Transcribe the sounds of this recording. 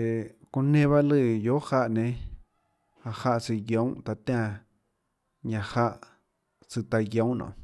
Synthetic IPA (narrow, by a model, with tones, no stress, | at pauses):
e˨kũ˧nẽ˦βa˦lɨ˧˨jo˨˦ha˧ʔnẽ˧ | a˧ʔha˧ʔt͡si˧jjõ˨˦t̪a˧t̪ʲã˦˧ | ɲã˧ha˧ʔ | t͡sɨ˧t̪a˧jjõ˨˦nõ̰˨ʔ